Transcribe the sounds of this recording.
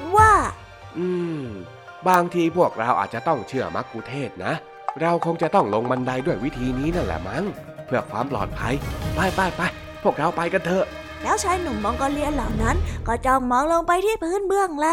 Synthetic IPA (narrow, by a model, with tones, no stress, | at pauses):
waː˥˩ | ʔɯː˧ | baː˧ŋt̪ʰiː˧pʰu˥˩ək̚ɾa˧wʔa̰ː˨˩t̪̚t͡ɕa˨˩t̪ɔ˥˩ŋt͡ɕʰɯ˥˩əma˦˥kːuː˧t̪ʰeː˥˩t̪̚na˦˥ʔ | ɾa˧wkʰo˧ŋt͡ɕa˨˩t̪ɔ˥˩ŋlo˧ŋma˧nda˧jdu˥˩əjwi˦˥t̪ʰiː˧niː˦˥na˦˥˩nlɛ̰ː˧˩ma˦˥ŋ | pʰɯ˥˩əkʰwaː˧mplɔ̰ː˨˩t̪̚pʰa˧jplaː˧˩jpaː˧˩jpa˧j | pʰu˥˩ək̚ɾa˧wpa˧jka˧nt̪ʰɤː˧ʔ | lɛː˦˥wt͡ɕʰaː˦˥jnu˨˩mmɔ˧ŋkɔː˧li˧ənla˨˩˦wna˦˥nkɔː˧˩t͡ɕɔː˧˩ŋmɔː˧ŋlo˧ŋpa˧jt̪ʰiː˥˩pʰɯː˧˥˨nbɯ˧˩əŋla˧˥